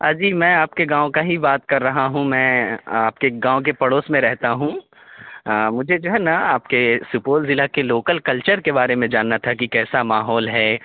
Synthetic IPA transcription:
aːd͡ʒiːmɛ̃ːaːp̚keɡãːõkaɦibaːt̪kɐɾːɐɦaɦũmɛ̃ːaːp̚keɡãːõk̬epɐɽoːsmẽɾɛɦt̪aɦũ | mʊd͡ʒʱed͡ʒoɦɛnɐaːp̚kesʊpoːlzɪlakeloːkəlkɐlt͡ʃəɾkebaːɾemẽd͡ʒaːnːat̪ʰakikɛːsamaːɦɔːlɦɛː

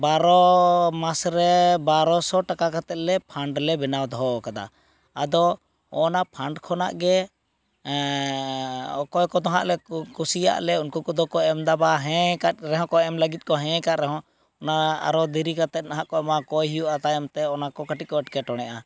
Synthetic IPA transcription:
baɾɔmasɾɛbaɾɔsɔʈakakat̪ɛt̪̚lɛpʰaɳɖlɛbɛnawd̪ɔɔkad̪a̰ | ad̪ɔ | ɔnapʰaɳɖkʰɔna̰ʔɡɛ | kɔjkɔd̪ɔɦa̰ʔlɛkusija̰ʔlɛunkɔkɔd̪ɔkɔɛmd̪abaɦɛ̃kaɾɛɦɔ̃kɔɛmləɡit̪̚kɔɦɛ̃kaʔ̪ɾɛɦɔ̃ | ɔnaa̰ɾɔd̪iɾikat̪ɛt̪̚naɦaʔkɔɛmakɔjɦijuʔat̪ajɛmt̪ɛɔnakɔkaʈit̪̚kɔɛʈkɛʈɔɽ̃ɛʔa

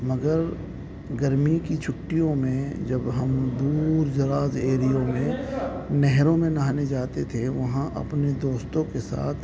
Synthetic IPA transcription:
mɐɡəɾ | ɡɐɾmikit͡ʃʰʊʈːijõmẽd͡ʒɐbɦɐmd̪uːɾd͡ʒɐɾaːzeːɾijõmẽnɛɦɾõmẽnɐɦaned͡ʒaːt̪et̪ʰeʋɐɦãʔɐ̰pned̪oːst̪õkesa̰ːt̪ʰ

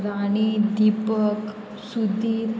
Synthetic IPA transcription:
ɾaɽ̃id̪ipək | sud̪ʱiɾ

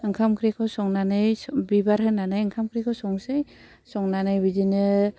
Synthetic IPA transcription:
ɯŋkʰamkʰɾikʰɔsɔŋnanɯjbibaɾhɯnanajɯŋkʰamkʰɾikʰɔsɔŋsej | sɔŋnanajbizinɯ

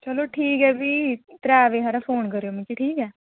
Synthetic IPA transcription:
t͡ʃəloːʈʰiːkɦɛːbiːt̪əɾaːʋeːɦaɾapʰoːnkəɾejoːmɛ̃ːkiʈʰiːkɛː

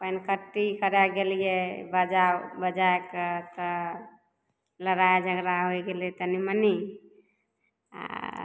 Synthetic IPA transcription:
pəjnkəʈːikəɾaɡelijebəd͡ʒabəd͡ʒaekət̪ə | ləɾaed͡ʒʱəɡɾaɦojɡelet̪əniməni | a̰

